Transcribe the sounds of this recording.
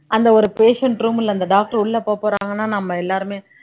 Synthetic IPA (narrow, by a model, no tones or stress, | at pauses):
ʔɐnd̪ɐɔɾɯpeːʂɐɳʈɾuːmɪlːɐnd̪ɐɖaːk̚ʈɐɾʊɭːɐpoːpoːɾaːŋɡɐnːaːnɐmːɐɛlːaːɾɯmeː